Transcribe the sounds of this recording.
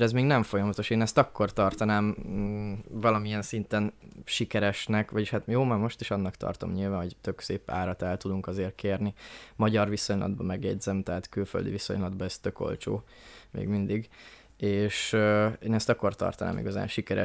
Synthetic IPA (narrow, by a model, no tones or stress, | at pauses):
ɾɛzmeːɡnɛɱfo̞jɒmɒt̪o̞ʃeːnɛst̪ɒkːo̞rt̪ɒrt̪ɒnaːm | vɒlɒmijɛnsint̪ɛnʃikɛɾɛʃnɛkʋɒɟiʃhat̪joːmarmo̞ʃt̪iʃɒnːɒkt̪ɒ̰rt̪o̞̰mɲilvaːnɦo̞ɟt̪ø̞kseːpa̰ːɾɒt̪aːlt̪ud̪uŋkɒzeːrkʰeːrnimɒɟɒrviso̞ɲlʔɒ̰d̪̚bɒmɛɡjɛɟzɛmt̪ɛɦat̪kylfø̰ld̪ḭviso̞̰ɲlɒd̪bɒɛst̪ø̞ko̞̰lt͡ʃo̰ː | mḛːɡmind̪iɡ | eːʃeːnɛst̪ɒkːo̞rt̪ɒ̰rt̪ɒna̰ːmḭɡɒza̰ːnʃikɛɾɛ̰